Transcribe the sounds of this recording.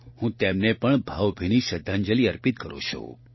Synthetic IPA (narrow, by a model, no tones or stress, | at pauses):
hũt̪emnepəɳbʱawbʱiniʃəd̪ʱːand͡ʒəliəɾpit̪̚kəɾõ̰t͡ʃʰõ̰